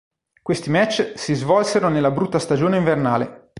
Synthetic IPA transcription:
kwest̪imɛt͡ʃːsizvɔlseɾonelːabɾut̪ːast̪ad͡ʒoːneiɱvernaːle

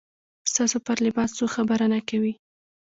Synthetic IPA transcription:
st̪ɑsopɑɾlɪbɑst͡soxabaɾanakawi

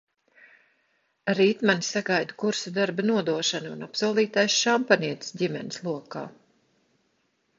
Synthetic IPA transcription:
ɾiːt̪manisaɡajd̪u̥kuɾsud̪aɾbanuɔd̪uɔʃanunapsuɔlˠiːt̪ajsʃampaniɛt̪sdʲimɛ̰ni̥slˠuɔka̰ː

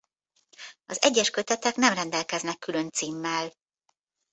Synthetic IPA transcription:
ɒzɛɟːɛʃkø̞t̪ɛt̪ɛknɛmrɛnd̪ɛlkɛznɛkːylønt̪siːmːɛl

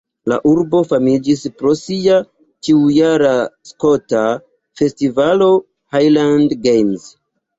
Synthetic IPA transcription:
la̰ʔuɾbo̞famid͡ʒispɾo̞sia | t͡ʃiujaɾasko̞ta | fe̞stivalo̞ | hajlandɡejmz

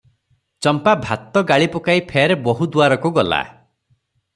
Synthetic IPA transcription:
t͡ʃɔmpabʱat̪ɔɡaɭipɔkaipʰeɾebɔɦud̪uaɾɔkuɡɔla̰

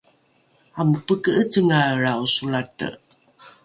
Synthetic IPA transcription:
ampəkəʔət͡səŋaɾausulatə̰

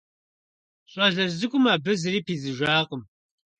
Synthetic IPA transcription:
ɕʼɐɮɐzɨkʷʼʊmaːbɨzɨɾiːpʰiːzɨʒʷaːqʼəm

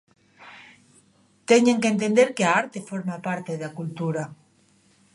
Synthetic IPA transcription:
t̪eɲeŋkent̪end̪eɾkeaaɾt̪efoɾmapaɾt̪eðakult̪uɾa

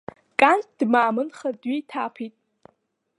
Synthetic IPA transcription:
kʼantʰd̥maːmɨnχadɥitʰaːpʰitʼ

